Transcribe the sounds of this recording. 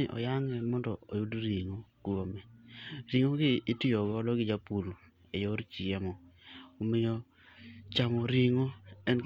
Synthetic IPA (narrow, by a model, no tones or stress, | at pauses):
ɪʔɔ̰jaŋɛmɔndɔo̰judɾiŋokuomɛɾiŋoɡɪːtɪɔɡɔlɔɡɪd͡ʒapul | ejɔɾt͡ʃiɛmɔːmɪjɔ | t͡ʃamɔɾiŋoɛn